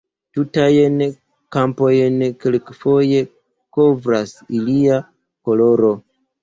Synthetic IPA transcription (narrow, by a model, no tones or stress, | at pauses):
tutajen | kampo̞jnkelkfo̞je̞ | ko̞vɾasilia | ko̞lo̞ɾo̞